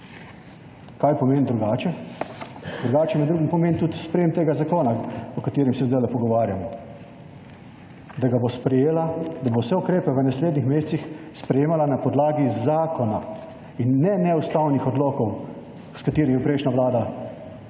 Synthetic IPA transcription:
kajpɔmeːnd̪ɾuɡaːt͡ʃɛ | d̪ɾuɡaːt͡ʃɛmɛd̪ɾuːɡimpɔmeːnt̪ut̪spɾɛjemt̪eːɡazakoːnaɔkat̪eːɾimsɛzd̪ajlɛpɔɡɔʋaːɾjamɔ | d̪aɡabospɾɛjeːlad̪abowsɛukɾeːpɛʋənasleːd̪nixmeːst̪sixspɾɛjeːmalanapɔd̪laːɡizaːkɔna | inːɛnɛust̪awnixɔd̪loːkɔw | skat̪iːɾimipɾeɪʃnaʋlaːd̪a

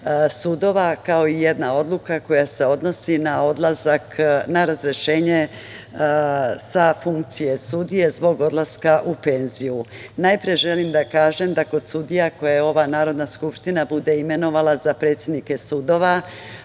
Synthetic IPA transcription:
sud̪o̞ʋakao̞ije̞d̪nao̞d̪lukako̞jase̞o̞d̪no̞sinaod̪lazaknaɾazɾe̞ʃe̞ːɲe | safuŋkt̪sije̞sud̪ije̞zbo̞ɡo̞d̪laskaʔupe̞nzijunajpɾije̞ʒe̞limd̪akaːʒe̞md̪ako̞d̪sud̪ijako̞jajeo̞ʋanaːɾo̞d̪naskupʃt̪inabud̪e̞ime̞no̞ʋalazapɾet̪sjed̪nike̞sud̪o̞ːʋa

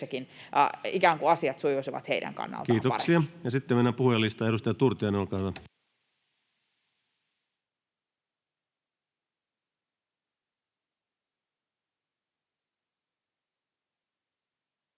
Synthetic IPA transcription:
ækin̰ | ikæːŋkuɑsiɑt̪sujusiʋɑ̰t̪heidæ̰ŋkɑ̰nːɑ̰lkiːt̪opɑ̰siɑjɑsit̪ːemenːæpuhjɑlːist̪ɑeɾust̪ɑjɑt̪urt̪iɑnolkɑːtɑ

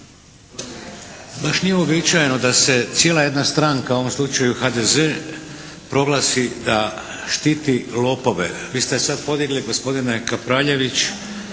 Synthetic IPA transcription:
baʃnijeobit͡ʃajenod̪ase̞t̪sjeːlaje̞d̪nast̪ɾaŋkaoʋo̞mslˠut͡ʃajuxad̪eze̞ː | pɾo̞ɡlˠaːsid̪a | ʃt̪iːt̪ilo̞ːpo̞ʋḛʋiːst̪e̞sad̪po̞d̪iɡliɡo̞spo̞d̪ine̞kapɾaʎe̞ʋit͡ɕ

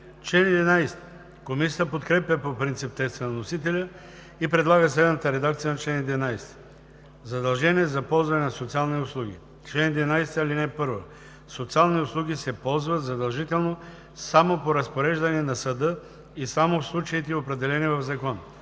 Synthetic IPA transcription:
t͡ʃlɛnid̪ɛnajst̪ | komisʲi̥t̪əpot̪kɾɛpʲjəpopɾint̪sip̚t̪ɛst̪vənɐnosit̪ɛlʲə | ipɾɛd̪lˠaɡəslɛd̪nət̪əɾɛd̪ak̚t̪sijənɐt͡ʃlɛnid̪ɛvɛnajst̪ɛ̥ | zɐd̪ɐlˠʒɛniɛzɐpɔlˠzvɐnɛnɐsot̪sialˠniʊslˠuɡ̟ḭ | t͡ʃlɛnid̪ʲvɛnajst̪ɐlinɛpɤɾvə | sot̪sialˠniʊslˠuɡ̟ʲisɛpɔlˠzvət̪zɐd̪ɐlˠʒit̪ɛlˠno | samopoɾɐspoɾɛʒd̪ɐnɛnɐsəd̪ɤ | isamofslˠut͡ʃəit̪ɛiopɾɛd̪ɛlɛnivɐvzɐkɔn

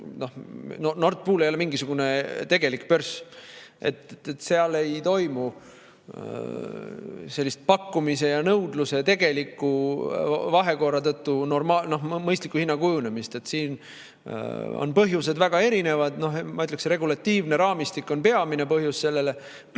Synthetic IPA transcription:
no̞hnono̞rt̪̚puːle̞jolemiŋɡisuɡ̥une̞t̪e̞ɡ̥e̞likpørsʔe̞̰t̪et̪se̞ɑle̞jt̪o̞jmu | se̞lʲːist̪̚pɑkːumise̞jɑnɤwd̪̥luse̞t̪e̞ɡ̥e̞likːˑu | vɑɦe̞ko̞rɑt̪ɤt̪ːuno̞rmɑlno̞hmɤjst̪likːˑuhinːɑkujune̞mist̪e̞t̪siːn | o̰npɤɦjuse̞d̪væɡ̥ɑe̞ɾine̞vɑd̪̥no̞ɦmɑyt̪leksre̞ɡulɑt̪ːiːvne̞ɾɑːmist̪ikːˑo̞npe̞ɑmine̞pɤɦjusse̞lːe̞le

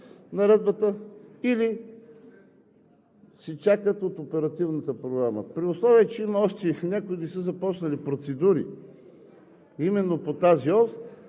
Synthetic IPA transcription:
nɐɾɛd̪̚bət̪əili | sɛt͡ʃakət̪ot̪opɛɾɐt̪ivnət̪əpɾoɡɾamə̰pɾiʊslˠɔviɛt͡ʃɛiməɔʃt̪ɛnʲakʊid̪isəzɐpɔt͡ʃnɐlipɾot̪sɛd̪uɾḭ | imɛnːopot̪aziɔs

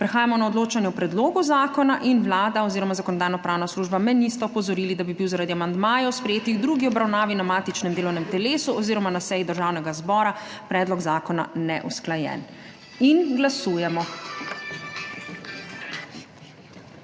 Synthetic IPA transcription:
pɾɛxaːjamɔnaɔd̪loːt͡ʃanjɛwpɾɛd̪loːɡuzaːkɔnaʔinwlaːd̪aɔziːɾɔmazakɔnɔd̪aːjnɔpɾaːwnasluʒbamɛd̪nist̪ɔɔpɔzɔɾiːlid̪abibiwzaɾad̪iamand̪maːjɔwspɾɛjeːt̪iɣd̪ɾuːɡiɔbɾawnaːʋinamaːt̪it͡ʃnɛmd̪eːlɔwnɛmt̪ɛleːsuɔziːɾɔmanasɛjid̪əɾʒaːwnɛɡazbɔːɾapɾɛːd̪lɔɡzaːkɔna̰nɛ̰ʔusklajɛ̰n | inɡlasuːjɛmɔ

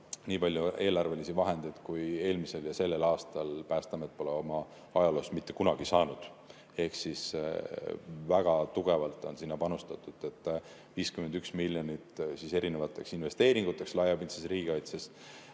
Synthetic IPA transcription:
niːpɑlʲjue̞ːlɑrve̞lisivɑɦe̞nd̪ejd̪̥kuje̞ːlmise̞ljɑse̞lːe̞lɑːst̪ɑlpæːst̪ɑmet̪po̞leo̞mɑ | ɑjɑlo̞ːsmit̪ːe̞kunɑɡ̥isɑːnud̪̥ | e̞hksis | væɡ̥ɑt̪uɡ̥e̞vɑlt̪ːˑo̞̰nsinːɑpɑnust̪ɑt̪ːˑud̪̥e̞t̪ˑː | viːskymed̪yksmilʲːjo̞nit̪sise̞ɾine̞vɑt̪ːˑe̞ksinve̞st̪e̞ːɾiŋɡ̥ut̪ːˑe̞kslɑjɑbint̪sesriːɡ̥eɑjt̪ses

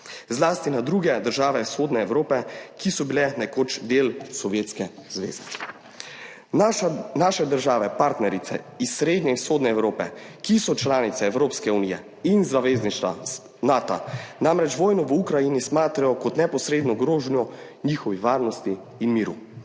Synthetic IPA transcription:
zlaːst̪inad̪ɾuɡɛd̪əɾʒaːʋɛsxoːd̪nɛɛwɾoːpɛkisɔbilɛnɛkoːt͡ʃd̪eːlsɔʋjet̪skɛz̥ʋḛːzɛ | naːʃɛd̪əɾʒaːʋɛpaɾt̪nɛɾit̪sɛ̰isːɾeːd̪ɲɛsxoːd̪nɛɛwɾoːpɛkisɔt͡ʃlaːnit̪sɛːwɾoːpskɛunijɛ | inzaʋezniʃt̪ʋa̰ | naːt̪a̰namɾɛt͡ʃʋɔːjnɔʋəukɾajinismaːt̪ɾajɔkɔt̪nɛpɔsɾeːd̪nɔɡɾoːʒnjɔ | niːxɔʋiʋaːɾnɔst̪iː | nmiːɾu

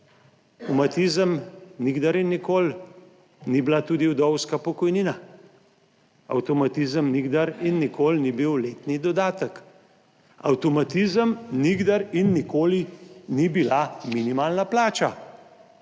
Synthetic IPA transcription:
tɔmat̪izəmniɡd̪aɾinːikoːl | nibilat̪uːd̪iwd̪ɔwskapɔkɔjnina | a̰wt̪ɔmat̪izəmniɡd̪aɾinːikoːlnibiwleːt̪nid̪ɔd̪aːt̪ək | a̰wt̪ɔmat̪izəmniɡd̪aɾinːikoːlinibilaminimaːlnaplaːt͡ʃa

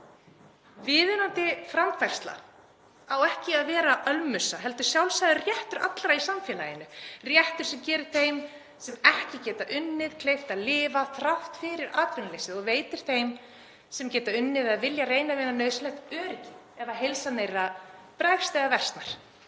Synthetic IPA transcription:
vɪːðʏnant̪ɪfɾamfajrst̪la̰ | awɛhcɪaðvɛːɾaʔœlmʏsaɦɛlt̪ʏ̥sjawlsajðʏrjɛht̪ʏɾa̰t̪lɾaisamfjɛːlajɪnːʏrjɛht̪ʏɾ̥sɛmcɛːɾʏ̥θejm | sɛmɛhcɪcɛːt̪aʔʏnːɪðkʰleːjft̪alɪːvaθɾaft̪fɪɾɪɾʔaːt̪vɪnalejsɪðɔɣveːjt̪ɪɾ̥θejm | sɛmcɛːt̪aʏnːɪðaðvɪljareːjnavɛːnanœːɥslɛht̪œːɾɪcɪ | ɛvaɦejlsanejrːapɾɛjfst̪ɛðavɛrst̪naɾ̥

